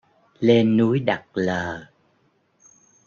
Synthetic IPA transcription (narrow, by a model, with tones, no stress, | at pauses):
le˧nːu˨˦əjɗa˨˩k̚ləː˨˩